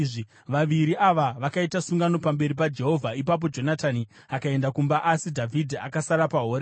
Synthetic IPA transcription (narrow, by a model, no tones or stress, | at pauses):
ʐi | ʋaʋiɾiaʋaʋakaitasuŋɡano̞pambe̞ɾip̬ad͡ʒe̞ɦo̞vʱaipap̬o̞d͡ʒo̞natani | akae̞ndakumbaʔasidʱavʱidʱia̰kasaɾapaɦo̞ːɾe